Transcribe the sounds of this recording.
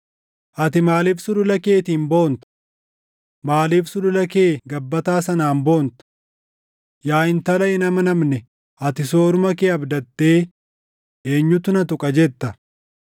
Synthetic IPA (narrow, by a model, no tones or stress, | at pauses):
ʔɐt̪ɪmaːliːfsʊd̪ʊlɐkeːt̪iːnbo̞ːnt̪ɐ̥ | maːliːfsʊd̪ʊlɐke̞ːɡɐbːɐt̪aːsɐnaːmbo̞ːnt̪ɐ̥ | jaːɪnt̪ɐlɐʔɪnɐmɐnɐmnɛ | ʔɐt̪ɪsoːɾʊmɐkeːɐbd̪ɐt̪ːe̞ː | eːɲːʊt̪ʊnɐt̪ʊkʼɐd͡ʒɛt̪ːɐ